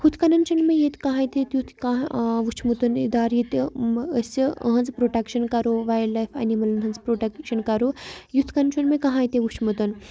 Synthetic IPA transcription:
hʰut̪ʰkɐnɐnt͡ʃʰunmejet̪kaɦãːjt̪et̪jut̪ʰkãʋut͡ʃʰmut̪ɐnid̪aːɾjit̪əsiə̰ɦɐnd͡zpɾoːʈɐkʃɐnkɐɾoʋaːjlajfɐ̰nimɐlnɦɐnd͡zpɾoʈɐkʃɐnkɐɾojut̪ʰkɐnnt͡ʃʰunmekaɦãːjt̪eʋut͡ʃʰmut̪ɐn

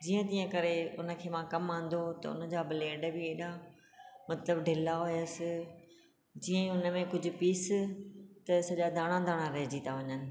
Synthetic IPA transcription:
d͡ʑiːə̃t̪ĩːə̃kɐɾeʊnə̆kʰeːmãkɐmãːn̆d̪ot̪ɐ̰ʊ̰nəd͡ʑaːbɪleːɖbɪeːɗa | mɐt̪ləbɖʱɪlaɦʊjəsɪ | d͡ʑiːə̃ʊnəmẽkʊd͡ʑʱʊ̆piːs | t̪ɐsɐʄad̪ʱaːɽ̃ãd̪ʱaːɽ̃ãɾɐɦd͡ʑiːt̪aʋɐɲənɪ̆

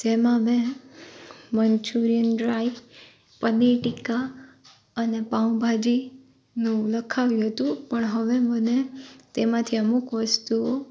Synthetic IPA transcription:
d͡ʒemãmẽ | mənt͡ʃʰuɾijənɖɾai | pənːiʈika | ənepaũbʱad͡ʒi | nũləkʰaʋjũɦət̪ũpəɳɦəʋemənet̪emãt̪ʰiəmukʋəst̪uo

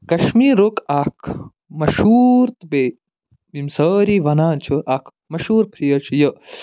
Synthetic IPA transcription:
kɐʃmiɾokakʰ | mɐʃuɾt̪be | bimsɐːɾiʋɐnaːnt͡ʃʰəʔakʰ | mɐʃuːɾpʰɾijɐt͡ʃʰijə

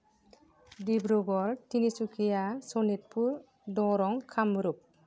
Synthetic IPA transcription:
dibɾoɡɔltinisukʰijasɔnit̚pʰuɾ | dɔɾɔŋkʰamɾup̚

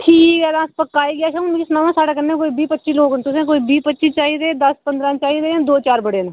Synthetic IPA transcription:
ʈʰiːkɛːd̪ãːspəkːaːiːɡɪaːʃãʊnːkisnãːʋãːsaːɽaːkənːẽːkoːiːbiːpətːʃiːloːɡt̪ʊsẽːkoːiːbiːpətːʃiːt͡ʃaːiːɾed̪əspənd̪ɾãːt͡ʃaːiːɾeːd̪oːt͡ʃaːɾbəɽeːna

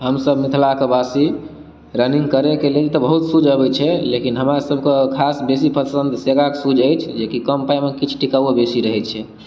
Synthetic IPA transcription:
ɦəmsəbmit̪ʰlakebasi | ɾənĩŋɡkəɾekeled͡ʒt̪ɔbəɦut̪sud͡ʒəbɛt͡ʃʰɛlekinɦəmɾasəbʱkekʰasbesipʰət̪sə̃nd̪ʱseɡaksud͡ʒəjt͡ʃʰd͡ʒekikəmpaimekit͡ʃʰʈikəebesiɾəɦɛt͡ʃʰɛ

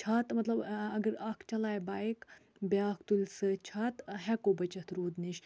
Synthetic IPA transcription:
t͡ʃʰaːt̪mɐt̪lɐbɐɡəɾɐkʰt͡ʃɐlaːjbaːik | baːkt̪ulʲsɨt͡ʃʰaːt̪ɦɛkobɐt͡ʃɐt̪ɾuːd̪niʃ

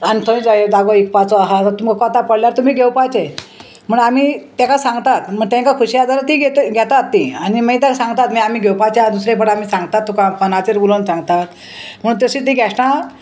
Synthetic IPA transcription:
anit̪ʰõĩd͡zajed̪aɡoek̚pat͡sɔaɦat̪at̪umkkɔt̪apəɽljaɾt̪um̤iːɡʱewpajt͡se | m̤əɽɳamit̪ãkasãŋɡt̪at̪m̤əɳt̪ẽŋkakʰuɕiad͡zaɾat̪iɡeɡʱjɛt̪at̪ːianimaĩt̪̬akasãŋɡt̪at̪miam̤iːɡʱewpajt͡sead̪usɾẽpəɽamiːsãŋɡt̪at̪ːukãpənat͡seɾbulonsãŋɡt̪at̪ | m̤əɽuːnt̪əɕit̪̬iɡʱɛɕʈã

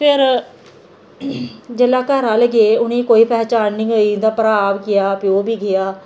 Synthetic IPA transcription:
pʰɪɾ | d͡ʒeːlaːkəɾãːləɡeːʊnẽːkoːiːpʰɛːt͡ʃaːɾnĩːoiːd̪aːpəɾaːʋkɪjaːpɪoːbiːɡɪjaː

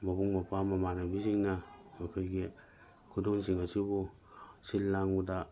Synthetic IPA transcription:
mabuŋmapamamanabiziŋnaakeɡe | kudunsiŋasibu | silːaŋuda

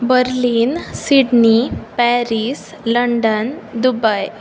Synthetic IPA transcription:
bəɾliːnsiɽnipɛɾis | ləɳɖənd̪ubaj

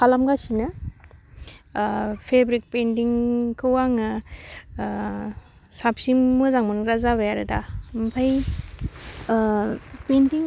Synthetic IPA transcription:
pʰalamɡasinɯ | pʰebɾik̚pentiŋkʰɯwaŋɯ | sapsiŋmɯzaŋmɔnɾazaβajaɾɯdampʰaj | pentiŋ

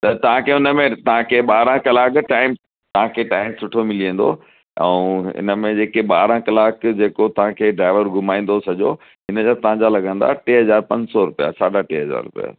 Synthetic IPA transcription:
t̪ɐt̪ɐʋ̤ãkʰeʊnəmẽt̪ɐɦãkʰeɓaːɾãkɐlaːkʈaːɪm | t̪ɐɦãkʰeːʈaːɪmsʊʈʰomɪliẽnd̪o | ɛ̰̃ũɪ̰nəmẽd͡ʑeːkeɓaːɾãkɐlaːkd͡ʑeːkot̪ɐʋ̤ãkʰeːɖɾaːɪʋəɾɡʱʊmaːĩːn̆d̪osɐʄo̰ | ɦɪnəd͡ʑat̪ɐʋ̤ɦãd͡ʑalɐɡʱə̃n̆d̪a̰ʈeːɦɐzaːɾpɐ̃ɲd͡ʑsɔɾʊpija̰saːɖaʈeːɦɐza̰ːɾʊ̰pija̰

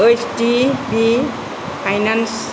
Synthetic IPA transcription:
esʰʈibi | pʰajnans

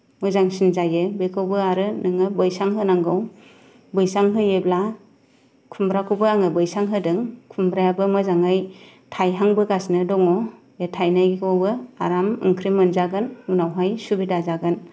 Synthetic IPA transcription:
mɯzaŋsinzajɯbekʰɯwbɯaɾɯnɯŋɯbɯjsaŋɦɯnaŋɡɯw | bɯjsaŋɦɯjebla | kʰumbɾakʰɯwbɯaŋɯbɯjsaŋɦɯdɯŋkʰumbɾajabɯmɯzaŋaj | tʰajɦaŋbɯɡasnɯdɔŋɔ | etʰajnaɡikʰɯwbɯa̰ɾamɯ̰ŋkʰɾimɯnzaɡɯnunawɦajsubidazaɡɯn

